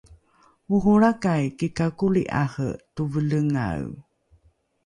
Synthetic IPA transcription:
uɦuɾakajkikakulḭʔa̰hə̰tuvələŋa̰w

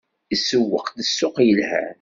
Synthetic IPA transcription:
isːəwːə̰qθəsːʊqjəlhæ̰

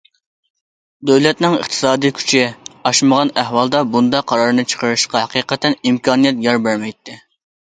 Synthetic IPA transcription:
d̪øwlɛt̪nɪŋə̰χt̪ʰɨ̥sɑːd̪ijkʲʰy̥t͡ʃʰɪɑʃməʁɑnæhwɑlˠd̪ɑbund̪ɑqʰɑɾɑɾnɨt͡ʃʰə̥qʰəɾɨʃqɑqiːqət̪ʰɛnimkʰɑːnijɛt̪jɑɾbæɾmɛjt̪ʰːɪ

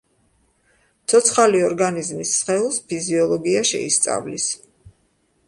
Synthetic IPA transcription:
t̪sʰɔt̪sʰχaliɔɾɡanizmisːχɛulˠspʰiziɔlˠɔɡiaʃɛ̰ḭst̪sʼa̰vlis

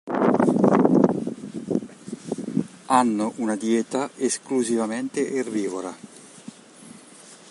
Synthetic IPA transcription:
anːoʔunad̪jeːt̪aeskluzivament̪eʔerːiːvoɾa

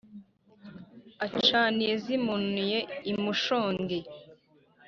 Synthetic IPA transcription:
at͡ʃaːniezimunujeimuʃoːŋɡe

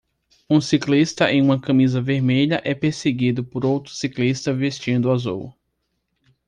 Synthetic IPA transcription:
ũsiklist̪ɐʔḛ̃j̃ũmɐkɐ̃mizɐveɾmeʎɐʔɛpeɾseɡid̪ʊpoɾowt̪ɾʊ̥siklist̪ɐvest͡ʃĩnd̪ʊazṵw

